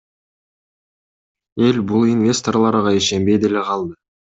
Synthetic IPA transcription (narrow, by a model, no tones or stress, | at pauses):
e̞lbʊlˠinvʲe̞st̪o̞rlˠɑɾʁɑeʃe̞mbe̞jd̪e̞le̞qʰɑlˠd̪ə